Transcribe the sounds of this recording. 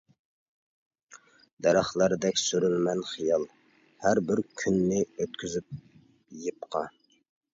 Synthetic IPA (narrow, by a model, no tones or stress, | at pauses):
d̪ɛɾɑχlˠəɾd̪ɛkʲsyɾylmɛnχijɑlˠ | hæɾbɪɾkʲʰynːɪøt̪̚kʲyzyp̚ | jɨp̚qʰɑ̰